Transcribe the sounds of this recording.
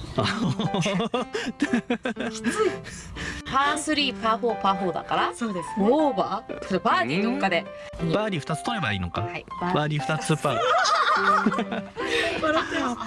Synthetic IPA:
a | paːsɨɾʲiːpaːɸoːpaːɸoːd̪a̰kaɾasoːd̪esobakoɾobaːɾʲiːnokːad̪e̞ | baːɾʲiɸɯ̟̥t̪at͡sɨ̥t̪oebaḭːno̞ka̰haibabaːɾʲiɸɯ̟̥t̪at͡sɨ̥sɨpːa | aɾ

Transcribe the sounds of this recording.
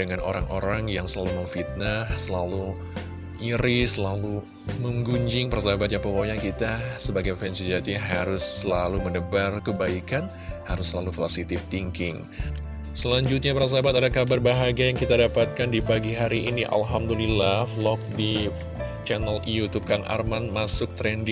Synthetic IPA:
dəŋano̰ɾa̰ŋʔo̰ɾaŋjaŋsəlaluməɱfit̪̚nahsəlalu | ʔiɾisəlalu | məŋɡuɲd͡ʒɪŋpəɾasabat̪̚ɲapəwaɲakit̪asəbaɡajfɛnsid͡ʒat̪iɦaɾʊsəlalumənəbarkəbaikan | haɾʊsəlalufarsit̪ɪft̪iŋkɪŋ | səlaɲd͡ʒʊt̪̚ɲapəɾas̬abat̪adakabarbaɦaɡiajaŋkit̪adapat̪̚kandibaɡiɦaɾiʔiniʔa̰lɦamd̪ulilaflɔk̚di | t͡ʃɛnəljut̪up̚kaŋʔa̰rmanmasʊk̚t̪ɾɛndɪ

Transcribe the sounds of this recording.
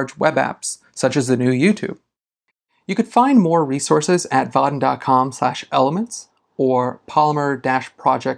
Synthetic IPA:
d͡ʒwɛbæ̰ps | sʌt͡ʃɨzðɨnʉjʉtʰʉ̰b̥̚ | jɨkɨd̥fãɪ̃nmɔɹɹisɔɹsɪzɨtv̥ɑdⁿn̩dɑ̰t̚kʰɑ̃mslæʃɛlˠəmə̃nts | ə˞pʰɑlˠəmə˞dæʃpʰɹ̥ɑd͡ʒɛk̚

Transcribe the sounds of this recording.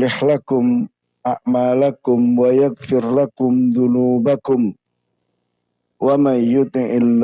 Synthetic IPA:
lɪħlakʊm | ʔaʕmaːlakʊmwajaɡfɪɾlakʊmðʊnuːbakʊm | wamajʊt̪ɪnʔɪlː

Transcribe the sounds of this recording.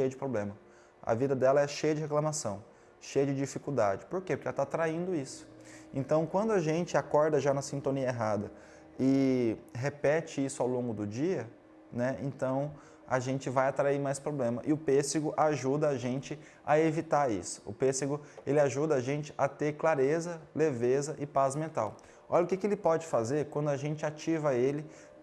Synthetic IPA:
ʃejɐd͡ʒɪpɾoblẽmɐ | ɐ̰vid̪ɐd̪ɛlɐɛʃejɐd͡ʒɪɦeklãmasɐ̃w̃ | ʃejɐd͡ʒɪd͡ʒifikuwd̪a̰d͡ʒɪpoɾkepʊɾkɛlɐt̪aat̪ɾaĩnd̪ʊisʊ̥ẽnt̪ɐ̃w̃kwɐ̃nd̪ʊɐʒẽnt͡ʃɪakɔɾd̪ɐʒanɐsĩnt̪õniɐeɦad̪ɐ | ɪɦepɛt͡ʃɪisʊawlõŋɡʊd̪ʊd͡ʒiɐ | nɛḛ̃nt̪ɐ̃w̃ | a̰ʒẽnt͡ʃɪvajat̪ɾaimajspɾoblẽmɐʔɪʊpesɪɡʊʔaʒud̪ɐːʒẽnt͡ʃɪ | ɐevit̪aɾḭsʊ̥ʊ̰peseɡʊelɪaʒud̪ɐaʒẽnt͡ʃɪ̥ʔat̪eɾklaɾezɐlevezɐʔɪpazmẽnt̪a̰w | ɔʎɐʊkɪkɪelɪpɔd͡ʒɪfazeɾkwɐ̃nd̪ʊaʒẽnt͡ʃɪat͡ʃivɐelɪ

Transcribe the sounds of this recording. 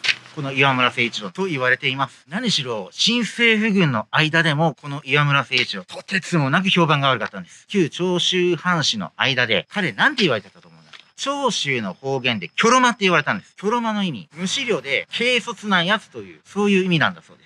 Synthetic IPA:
ko̞no̞iβamɯ̟ɾase̞ːt͡ɕiɾo̞t̪o̞iβaɾe̞t̪e̞imasɨ̥naɲ̟iɕiɾo̞ːɕĩɰ̃se̞ːɸɯ̟ɡɯ̟̃nːo̞aid̪ad̪e̞mo̞ko̞no̞ʔiβamɯ̟ɾase̞ːit͡ɕiɾõt̪ʰot̪et͡sɨmo̞nak̬ɯ̟ço̞ːbãŋɡaβaɾɯ̟kat̪ːãnd̪e̞sɨ̥kʲɨːt͡ɕo̞ːɕɨːhãɰ̃ɕino̞̰a̰id̪ad̪e̞kʰaɾe̞nãnt̪e̞iβaɾet̪et̪ːat̪oːmo̞ːno̥kat͡ɕo̞ːɕɨːno̞ho̞ːɡẽ̞nd̪e̞kʲo̞ɾomat̪ːe̞iβaɾe̞t̪ãnd̪e̞sɨ̥kʲo̞ɾo̞mano̞imʲḭmɯ̟ɕiɾʲjo̞ːd̪e̞kʰe̞ːso̞t͡sɨnajat͡sɨ̥t̪o̞jɯ̟̰ːso̞ːjɯ̟ːimʲinã̰nd̪aso̞ːd̪e̥

